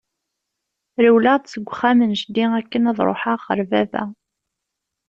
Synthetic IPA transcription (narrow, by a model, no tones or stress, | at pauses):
ɾəwlad̪səɡʷːχːæmənʃd̪iækːənɑðˤɾˤo̰ħaʁχə̰ɾvævæ̰